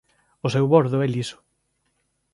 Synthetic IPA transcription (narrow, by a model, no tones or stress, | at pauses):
ʊsɛwβoɾðʊɛlisʊ̥